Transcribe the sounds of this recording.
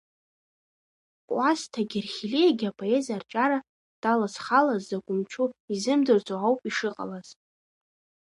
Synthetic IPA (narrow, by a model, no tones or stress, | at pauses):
kʷʼwastʰaɡʲirχʲilejɡʲapʰʼo̞e̞zart͡ʃʼaɾa | d̥alasχalazːaɡʷʼʊmt͡ʃʰuizɨmdɨrt͡sʼoawpʼiʂɨqʼa̰laz̥